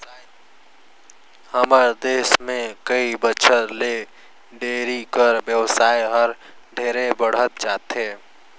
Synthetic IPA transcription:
həməɾd̪eːsmẽkəibəʃʰəɾle | ɖeːɾikəɾbjəwsaːjɦəɾ | ɖʱeːɾebəɽ̤ət̪̚d͡ʒaːt̪ɦeː

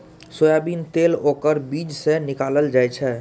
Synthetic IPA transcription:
soːjabiːnt̪eːlokəɾbiːd͡ʒsenɪkaləld͡ʒaːjt͡ʃʰɛ

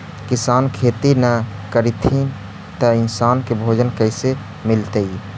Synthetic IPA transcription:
kɪsaːnkʰeːt̪inəkəɾit̪ʰĩ | t̪əɪnsaːnkebʱoːd͡ʒənkəɪse | mɪlt̪əi

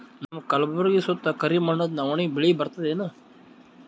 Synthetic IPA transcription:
nɐmɐkɐlbɐɾɡisot̪ːɐkɐɾimɐɳːɐd̪nɐʋɐɳibɪɭibɐɾt̪ɐd̪eːnɨ

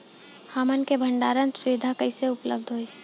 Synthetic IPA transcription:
haːmənkebʱə̃ɳɖaːɾənsʊd̪ʱakəɪseʊpləb̚d̪ʱɦoi

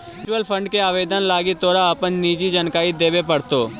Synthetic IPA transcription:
t͡ʃəlpʰə̃ɳɖkeaːʋeːd̪ənlaːɡet̪oːɽaəpənniːd͡ʒid͡ʒənkaːid̪eːʋepəɽt̪oː

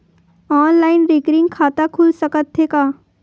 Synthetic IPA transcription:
ɔːnlaːɪnɾɪːkɾɪ̃ŋɡkʰaːt̪akʰʊlsɐkət̪ɦeːkaː

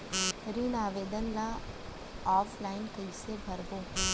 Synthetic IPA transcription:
ɾinaːʋeːd̪ənlã | aːflaɪnkəjsebʱəɾʋõː

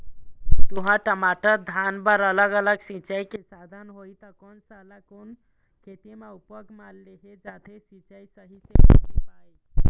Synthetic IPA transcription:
t̪uɦãʈəmaʈəɾd̪ʱanbəɾələɡələɡsit͡ʃəjkesad̪ʱənɦojt̪əkonsalakon | kʰet̪emaupəɡmalːeɦed͡ʒat̪ʰesĩt͡ʃəjsəɦiseppaj

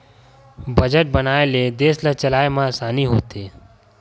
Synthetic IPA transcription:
bəd͡ʒəʈ̚bənaːeled̪eːslət͡ʃəlaːemãsaːniɦoːt̪eː

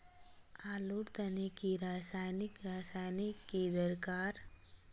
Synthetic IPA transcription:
aːluɽt̪ənikiɾaːsaːjnɪkɾaːsaːjnikːid̪əɾkaːɾ

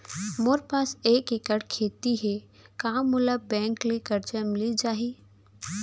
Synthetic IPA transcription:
moɾpaːseːkɪkəɽkʰeːt̪iɦe | kaːmːʊləbːɛ̃ːŋklekɐɾd͡ʒəmɪlid͡ʒaːɦiː

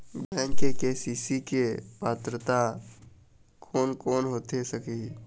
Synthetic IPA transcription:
bɛ̃ːŋkekesiːsikepaːt̪ɾət̪a | kʰoːnkoːnɦoːt̪esəki

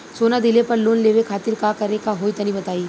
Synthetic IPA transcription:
soːnad̪ɪlepɐɾloːnleːʋekʰaːt̪ɪɾkakɐɾekaɦoːit̪ɐnĩbɐt̪aːiː

